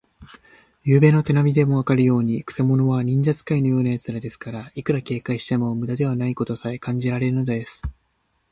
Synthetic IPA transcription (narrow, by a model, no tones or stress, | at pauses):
jɯːbe̞ːno̞t̪e̞namʲid̪e̞mo̞βakaɾɯ̟jo̞ːɲ̟ikɯ̟̥se̞mo̞no̞βaɲ̟ĩɲ̟d͡ʑat͡sɨ̥kaino̞jo̞ːnajat͡sɨɾad̪e̞sɨ̥kaɾaikɯ̟ɾake̞ːkaiɕi̥t̪e̞momɯ̟d̪ad̪e̞β̞anaiko̞t̪o̞saekãɲ̟d͡ʑiɾaɾe̞ɾɯ̟no̞d̪od̪e̞sɨ̥